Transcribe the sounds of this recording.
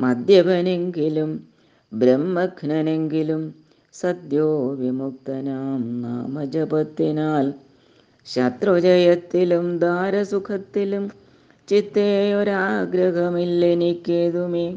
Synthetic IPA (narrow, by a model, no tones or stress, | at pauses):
mɐd̪jɐbɐne̞ŋɡilum | bɾɐmːɐɡnɐneŋɡilum | sɐd̪joːʋimuk̚t̪ɐnaːmna̰ːmɐd͡ʒɐbɐt̪ːinaːl | ɕɐt̪rod͡ʑɐjɐt̪ːilumd̪aːɾɐsukʰɐt̪ːilum | t͡ɕit̪ːeːjoɾuaːɡɾɐɦɐmilːenikʲːeːðumeː